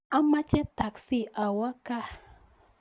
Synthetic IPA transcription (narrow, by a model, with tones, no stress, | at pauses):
a˦ma˦t͡ʃɛ˦t̪a˨ksi˦˨ʔa˨wa˦ka˦